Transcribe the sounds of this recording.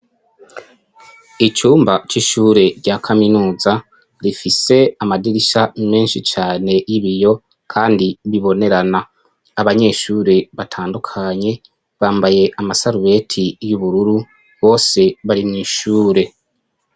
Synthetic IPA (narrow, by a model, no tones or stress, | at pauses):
it͡ʃuːmbat͡ʃiʃuːɾe̞ɾɟakʰaminuːza | ɾifise̞amadiɾiʃame̞ːnʃit͡ʃaːne̞jiβijo̞ | kʰaːndiβiβo̞ne̞ɾana | aβaɲe̞ːʃuːɾe̞βatʰaːndukʰaɲe̞ | βaːmbaje̞ʔamasaɾuβe̞tʰijuβuɾuɾu | βo̞ːse̞βaɾimŋiːʃuːɾe̞